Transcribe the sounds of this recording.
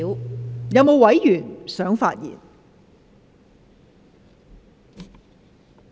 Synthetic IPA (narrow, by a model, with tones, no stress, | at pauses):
wjɐ˨˧wmo˨˧wɐ˨˥jjyː˨˩nsœː˨˥ŋfa̰ː˧t̚jḭː˨˩n